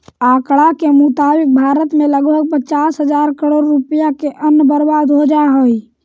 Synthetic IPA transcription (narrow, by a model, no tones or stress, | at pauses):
aːkɽakemʊt̪aːbɪk̚bʱaːɾət̪mẽləɡbʱəɡ̚pət͡ʃaːsɦəd͡ʒaːɾkəɽoːɾːupəjakeʔənbəɾbaːd̪ɦod͡ʒaɦoi